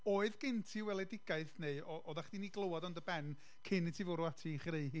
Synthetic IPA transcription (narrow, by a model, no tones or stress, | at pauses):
oːɨðɡ̥ɪntʰiwɛlˠɛdɪɡ̥aɨθneɨɔʔɔðaχd̥iniɡlˠowɔdɔndəbɛn | kʰɪnːitʰivʊɾuatʰiχreɨɦiː